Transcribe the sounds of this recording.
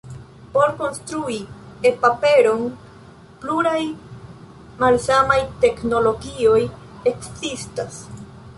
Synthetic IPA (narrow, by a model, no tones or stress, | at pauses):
po̞ɾko̞nst̪ɾuiepape̞ɾo̞n | pluɾaj | malsamajte̞kno̞lo̞ɡio̞j | eksistas